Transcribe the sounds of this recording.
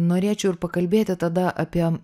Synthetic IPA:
noːɾʲeːt͡ʃʲɛʊɪɾpɐkɐlʲbʲeːt̪ʲɪt̪ɐd̪ɐʔɐpʲiɛ

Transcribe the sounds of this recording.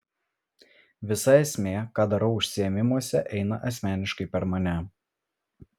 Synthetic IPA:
ʋʲɪsɐɛsʲmʲeːkɑːd̪ɐɾɐʊʊʃʲsʲɪɛmʲɪmuɔsʲɛʔɛɪnɐʔɐsʲmʲæːnʲɪʃkɐɪpʲɛɾmɐnʲɛ

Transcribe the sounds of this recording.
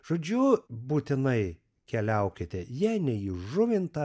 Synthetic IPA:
ʒ̥oːd͡ʒʲʊbuːt̪ʲɪnɐɪ | kʲɛlʲɛʊkʲɪt̪ʲɛjiɛnʲɛiʒʊʋʲɪnt̪ɐ

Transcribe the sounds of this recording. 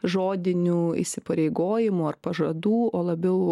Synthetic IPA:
ʒoːd̪ʲɪnʲuːḭsʲɪpɐɾʲɛɪɡoːjɪmuːɐrpɐʒɐd̪uːoːlˠɐbʲɛʊ

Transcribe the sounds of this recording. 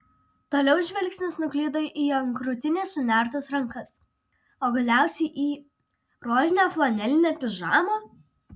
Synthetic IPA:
t̪oːlʲɛʊʒʲʋʲɛlʲˑksʲnʲɪsnʊklʲiːd̪oːʔiːɐŋkɾʊt̪ʲɪnʲeːsʊnʲæˑɾt̪ɐsɾɐŋˑkɐs | oːɡɐlʲæˑʊsʲɛɪʔiː | ɾoːzʲɪnʲoːflˠɐnʲɛlʲɪnʲɛːpʲɪʒɑːmoː

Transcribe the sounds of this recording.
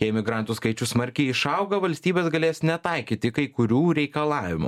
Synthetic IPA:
jɛɪmʲɪɡɾɑnt̪uːskɐɪt͡ʃʲʊsmɐɾʲkʲɛɪɪʃɐʊɡɐʋɐlʲsʲt̪ʲiːbʲeːsɡɐlʲeːsnʲɛt̪ɐɪkʲiːt̪ʲɪkɐɪkʊɾʲuːɾʲɛɪkɐlˠɑːʋʲɪmṵ

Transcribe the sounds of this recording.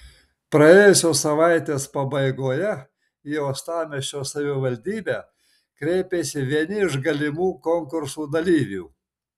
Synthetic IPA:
pɾɐjeːjosʲoːsɐʋɑˑɪt̪ʲeːspɐbɐɪɡoːjɛ | ioːst̪ɑːmʲɛʃʲt͡ʃʲoːsɐʋʲɪʋɐlʲd̪ʲiːbʲæː | kɾʲɛɪpʲeːsʲɪʋʲiɛnʲɪɪʒɡɐlʲɪmuːkoŋkʊɾsuːd̪ɐlʲiːʋʲṵː

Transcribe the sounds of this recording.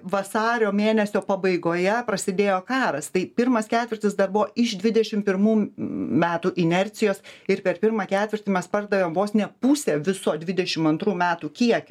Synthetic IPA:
ʋɐsɑːɾʲoːmʲeːnʲɛsʲoːpɐbɐɪɡoːjɛpɾɐsʲɪd̪ʲeːjoːkɑːɾɐst̪ɐɪpʲɪɾmɐskʲæːt̪ʲʋʲɪrʲt̪ʲɪsd̪ɐrbʊʋoːɪʃd̪ʲʋʲɪd̪ʲɛʃʲɪmpʲɪɾmuːmʲæːt̪uːʔɪnʲɛɾʲt̪sʲɪjoːsɪɾpʲɛɾpʲɪɾmɑːkʲæːt̪ʲʋʲɪɾʲt̪ʲimʲɛspɐrd̪ɐʋʲeːmʋoːsnʲɛpusʲeːʋʲɪsoːd̪ʲʋʲɪd̪ʲɛʃʲɪmɐnt̪ɾuːmʲæːt̪uːkʲiɛkʲʊ

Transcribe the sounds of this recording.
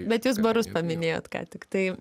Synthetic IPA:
bʲɛt̪juːs̬bɐɾʊspɐmʲɪnʲeːjo̰ːt̪kɑ̰ːt̪ʲɪkt̪ɐɪ

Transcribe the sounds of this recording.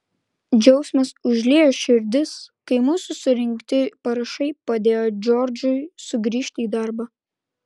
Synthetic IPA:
d͡ʒʲɛʊsʲmɐsʊʒʲlʲeːjoʃʲɪɾʲd̪ʲɪskɐɪmuːsʊsʊɾʲɪŋkt̪ʲɪpɐɾɐʃɐɪpɐd̪ʲeːjod͡ʒʲɔːɾʲd͡ʒʊɪsʊɡɾʲiːʃʲt̪ʲiːd̪ɑɾbɐ

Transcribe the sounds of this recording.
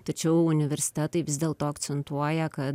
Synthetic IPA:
t̪ɐt͡ʃʲɛʊʊnʲɪʋʲɛɾʲsʲɪ̥t̪ʲæːt̪ɐɪʋʲɪzʲd̪ʲeːlˠt̪oːɐkt̪sʲɛnt̪uɔjɛkɐ

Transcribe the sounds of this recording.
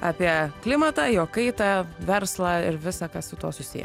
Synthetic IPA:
ɑ̰ːpʲiɛklʲɪmɐt̪ɑːjoːkɐɪt̪ɑːʋʲɛɾslˠɑːɪɾʋʲɪsɑkɐssʊt̪uɔsʊsʲḭjɛ̰

